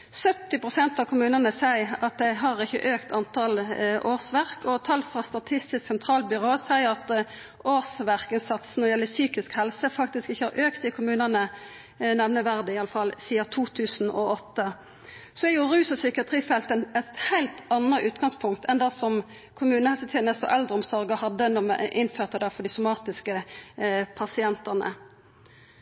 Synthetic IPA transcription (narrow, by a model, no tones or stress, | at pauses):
sœt̪ːɪpʁʊsɛnt̪ɑʋkʰʊmʉːnɑnəsæɪɑt̪̚d̪ɛɦɑʁɪçːə̰ʔøːkt̪ʰɑnt̪ʰɑlʔoːsʋæʁkʰɔt̪ʰɑlfʁɑst̪ɑt̪ʰɪst̪ɪsksɛnt̪ʰɾɑːlbʏɾoːəsæɪəɾɑt̪ | oːsʋæʁkɪnsɑt̪snɔʁɪjɛlːəsyːkɪskhɛlsəfɑk̚t̪ɪskɪçːəɑɾʔøːkt̪ɪkʰʊmʉːnɑnə | nɛʋnəʋæʁd̪ɪɑlːəfɑlsiːɑt̪ʰuːt̪ʰʉːsn̩ɔɔt̪ːə | sɔɛjʊʁʉːsɔsʏkɪɑt̪ʰʁiːfɛlt̪ənɛt̪hæɪlt̪ɑnʁəʔʉːt̪ɡɑŋspʰʊŋk̚t̪ʰɛnd̪ɑsɔm | kʰʊmʉːnəhɛlsət̪ʰeːnəst̪ɔ̰ʔɛld̪ʁəɔmsɔʁɡəhɑd̪ːənɔmɛ̰ʔɪnføːʁt̪əd̪æfɔd̪ɪsʊmɑːt̪ɪskə | pʰɑsɪɛnt̪ɑʁnə̰